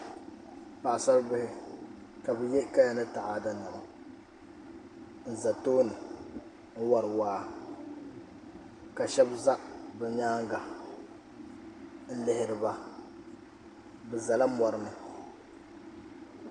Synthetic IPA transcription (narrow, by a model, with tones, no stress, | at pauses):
pa˨ʔa˨sa˦ɾbɪ˦hɪ˦ | ka˨bɛ˨jɛ˦ka˦ja˨nɨ˦ta˨ʔaː˦˨da˦na˨ma˨ | n̩˨za˨toː˦nɨ˨ | ŋ̩˦wa˨ɾɨ˨waː˦ | ka˨ʃɛ˦bza˦bɛ˨ɲaː˦ŋɡa˨ | n̩˦lɪ˨hɪ˨ɾɨ˨ba˦ | bɛ˨za˨la˦mɔ˨ɾɨ˦nɨ˨